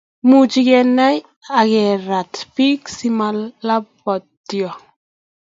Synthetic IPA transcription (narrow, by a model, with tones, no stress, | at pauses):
mu˨t͡ʃi˦ɡɛ˦na˦j | a˨ɡɛ˨ɾa˨tpi˦ksi˦ma˦lːa˦bɔ˨tːjɔ˨